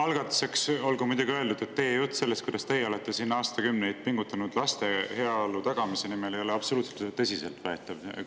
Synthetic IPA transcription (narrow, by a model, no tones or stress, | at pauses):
ɑlɡɑt̪ːˑu̥se̞kso̞lɡumud̪uɡiøld̪ud̪̥e̞t̪ːe̞jejut̪ːˑse̞lːest̪kujd̪ɑst̪e̞jeo̞le̞t̪ːˑe̞sinːɑːst̪ɑkymnej̪̚piŋɡ̥ut̪ːˑɑnud̪̥lɑst̪e̞he̞ɑolːut̪ɑɡ̥ɑmise̞nimelejleɑb̥so̞luːt̪selt̪t̪ːɤsʲise̞lt̪væet̪ːˑɑvḛ